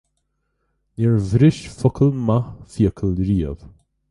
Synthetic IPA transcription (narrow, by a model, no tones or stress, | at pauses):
nɛɹvɾɪʃfɔkʰəlmafiəkʰəlɾiːə̰v̥